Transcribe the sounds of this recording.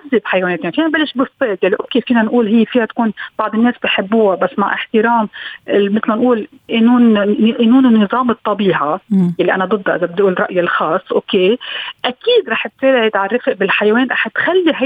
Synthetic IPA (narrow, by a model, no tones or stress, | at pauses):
azːɪbħajaweːneːt̪eːnfiːnabalːɪʃbɨsˤːeːt̪jalːiʔokːeːfiːnanʔuːlɦɪjːfiːhat̪kuːnbɑʕd̪ˤɪnːeːsbiħɪbːuːabasːma̰ʕʔɪħt̪ɪɾɑːmɪmɪt̪lmanʔuːl | ʔɪnuːnʔɪnːuːnnːɨzˤɑːmɨt̪ˤːɑbiːʕajalːiʔa̰nad̪ˤɨd̪ˤːɑʔɪzabɪd̪ʔuːlrˤɑ̰ʔjalxɑːsˤːʔoːkeːʔakiːd̪ɾˤɑːħt̪seːʕɪd̪ʕarɾːɪfɪʔbɪlħajaweːnɾˤʔɑ̰ːħt̪xalːiɦa